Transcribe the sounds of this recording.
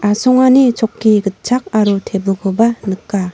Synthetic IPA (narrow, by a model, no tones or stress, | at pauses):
asɔŋanit͡ʃɔkʰːiɡət̚t͡ʃʰak̚aɾutʰebɔkʰɔbanɯkːa